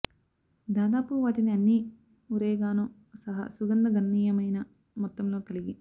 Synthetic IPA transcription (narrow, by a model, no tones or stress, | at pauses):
d̪aːd̪aːpuʋaːʈiniɐnːi | uɾeːɡaːnoː | sɐɦɐ̰suɡɐnd̪ɐɡʱɐnːiːjɐmɐjnɐ | mɔt̪ːɐmlo̞ːkɐliɡi